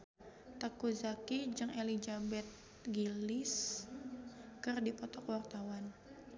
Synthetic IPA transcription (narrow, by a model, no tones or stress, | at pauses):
t̪akuzakid͡ʒɨŋelid͡ʒabɛt̪̚ | ɡilɪs | kɨrdipɔt̪ɔkwart̪awan